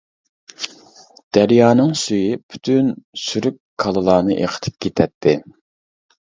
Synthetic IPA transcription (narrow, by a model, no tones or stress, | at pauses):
d̪̥æɾjɑːnɨŋsyjipʰy̥t̪ʰynsyɾykʲkʰːɑlˠɨlˠɑːnɨʔḛqʰə̥t̪ʰɪ̥p̚kʲʰet̪ʰɛt̪ʰːɪ